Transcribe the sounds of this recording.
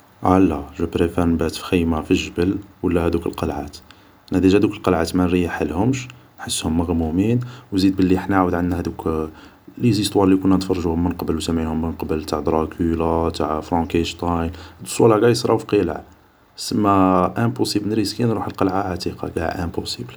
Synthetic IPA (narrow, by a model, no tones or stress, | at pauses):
ʕalːæʒæbɾefænbæt̪fxəjmafiʒəbəlwəlːæhæd̪ukəlqɑlʕa̰t̪ | nhæd̪iʒhæd̪ukəlqɑlʕat̪mænɾijːaħəlːhʊmʃ | nħəsːhʊmːəɣmuminwzid̪̚bəlːiəħnaʕawəd̪ʕanːæhæd̪uk | lizist̪ˤwɑɾˤlikunːænt̪fɑrˤːʒuhʊmːənqbəlwsəmːʕihʊmːnqbəlt̪aʕd̪ɾˤɑkʰylæt̪aʕfɾɑ̃kæʃt̪ˤɑjnd̪əsˤwælɑɡæjsˤɾˤɑwfiqilə̰ʕ | səmːæʔæpusiblnɾiskinɾuħəlqɑlʕaʕat̪iqɑ̰ɡæ̰ʔæpusibl